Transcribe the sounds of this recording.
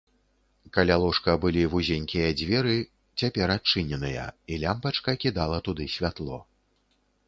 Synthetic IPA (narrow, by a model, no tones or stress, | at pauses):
kalʲalˠɔʂkɐbɨlʲivuzʲenʲkʲijɐd͡zʲvʲɛɾɨ | t͡sʲapʲɛɾat͡ʂɨnʲɛnɨjɐ̰ilʲampɐt͡ʂkɐkʲid̪alˠɐt̪ud̪ɨsʲvʲat̪lˠɔ